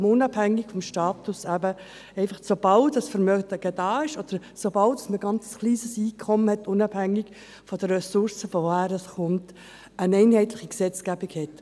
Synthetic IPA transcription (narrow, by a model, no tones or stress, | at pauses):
mʊnɑbhæŋːɪkfɔmʃtɑːt̪ʊsæbə | ɛɪfɑχsob̥ɑldɑsfəɾmœdəɡ̥ɛd̥ɑːɪʃɔd̥əɾsobɑltdɑsməɡɑnt͡sə̥sχliːsəsiːkʰχɔməhɛtːʊnɑbhæŋːɪɡ | fɔd̥əɛsʊɾsəfɔvohæːɾəsχʊmt | ənɛɪnhɛɪtlɪχiksɛt͡skæbɪkhɛt